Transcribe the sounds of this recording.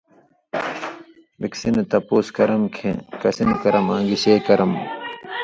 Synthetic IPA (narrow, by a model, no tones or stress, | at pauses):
biksinet̪ɐpoːskɐɾɐmkʰḛ̃kɐsinkɐɾɐmãːŋɡiɕeːkɐɾɐm